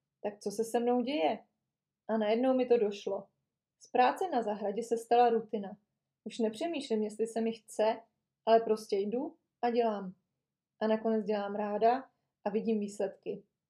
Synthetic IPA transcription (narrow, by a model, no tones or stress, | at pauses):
t̪ak̚t͡so̞sɛsɛmno̞wɟɛjɛ | ʔanajɛdno̞wmɪt̪o̞do̞ʃlo̞ | spɾaːt͡sɛnazaɦɾaɟɛsɛst̪alaɾut̪ɪna | ʔuʃnɛpr̝̥ɛmiːʃlɪmjɛs̬t̪lɪsɛmɪxt͡sɛ | ʔalɛpɾo̞scɛjdu | ʔaɟɛlaːm | ʔanako̞nɛt͡sɟɛlaːmɾaːda | ʔavɪɟiːmviːslɛt̪kɪ